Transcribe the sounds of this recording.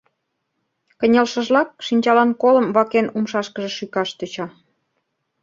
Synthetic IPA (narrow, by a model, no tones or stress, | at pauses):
kə̆nʲelʃə̆ʒlɑk̚ʃinʲt͡ɕɑlɑnkolə̆mβɑkenumʃɑʃkəʒĕʃykɑʃt̪øt͡ɕɑ